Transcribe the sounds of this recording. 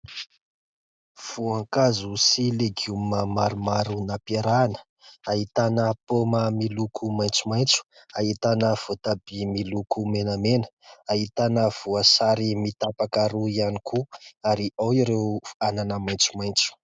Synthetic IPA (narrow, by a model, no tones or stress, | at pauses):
v̥uaŋkazusileɡiuməmaɾumaɾunapeɾanə̥ | ait̪anəpoməmilukʰumajnt͡sumajnt͡su̥ | ait̪anəv̥ot̪abimilukʰumenəmenə̥aɦit̪anəv̥uasaɾimit̪apakaɾuianikʰuaɾiʔawiɾewananəmajnt͡sumajnt͡su̥